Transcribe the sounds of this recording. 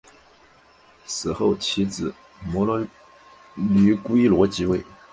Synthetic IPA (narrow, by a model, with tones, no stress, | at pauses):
sɹ̩˨˩xo˥˩ʊt͡ɕʰi˧˥t͡sɹ̩˨˩˦ | mɔ˧˥lɔ˥ | ly˧˥kwe˥ɪlwɔ˧˥t͡ɕi˧˥we˥˩ɪ